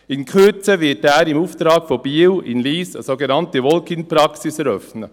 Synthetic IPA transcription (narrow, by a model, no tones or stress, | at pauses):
ɪnkʰyt͡səʋɪtːæːɾɪmuːft̪ɾɑːkfob̥iːwɪnliːsə̰soːɡenɑntəʋɔlkɪnpɾɑksɪsɛɾœfnə